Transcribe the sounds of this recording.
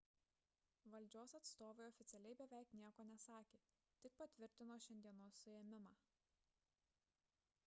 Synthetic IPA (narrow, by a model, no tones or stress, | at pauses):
ʋɐlʲˑd͡ʒʲoːsɐt̪st̪oːʋʲɛɪɔfʲɪt̪sʲɛlʲɛɪbʲɛʋʲɛˑɪknʲiɛkoːnʲɛsɑːkʲeː | t̪ʲɪk̚pɐt̪ʲʋʲɪɾʲt̪ʲɪnoːʃʲɛnʲd̪ʲiɛnoːsːʊjɛmʲɪmɑː